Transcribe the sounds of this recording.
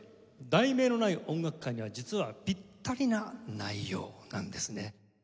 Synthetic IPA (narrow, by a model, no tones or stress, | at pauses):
d̪aime̞ːno̞naiʔõ̞ŋɡakɯ̥kːãɲ̟ːiβ̞ad͡ʑit͡sɨβabʲit̪ʰːaɾʲinanaijo̞̰ːnã̰nd̪e̞sɨne